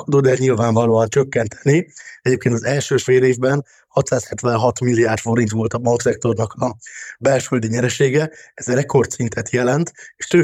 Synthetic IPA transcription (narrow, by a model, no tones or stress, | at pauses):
kud̪od̪ɛɲilvaːɱvɒloːɒnt͡ʃøkːɛnt̪ʰɛ̥niɛɟeːpkʰʲeːnt̪ɒzɛlʃøːfeːleːvbɛn | hɒt̪saːshɛt̪ʋɛnɦɒt̪milːiaːrt̪fo̞ɾint̪ʋo̞lt̪ɒmɒlt̪sɛk̚t̪o̞rnɒkɒbɛlʃøld̪iɲɛɾɛʃeːɡɛɛzrɛkʰo̞rt̪sint̪ʰɛt̪jɛlɛnt̪eʃt̪øː